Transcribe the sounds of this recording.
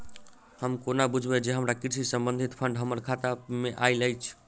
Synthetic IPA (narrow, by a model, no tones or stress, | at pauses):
həmkonabud͡ʒʱbed͡ʒeɦəmɾakiɾsisəmbə̃nd̪ʱit̪pʰəɳɖɦəməɾkʰat̪ameʔailəjt͡ʃʰ